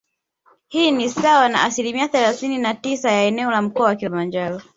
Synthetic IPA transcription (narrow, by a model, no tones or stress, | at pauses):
hiːnisawana̰asilimiaθɛlaθininatisajaɛnɛɔlam̩kɔawakilimand͡ʒaɾɔ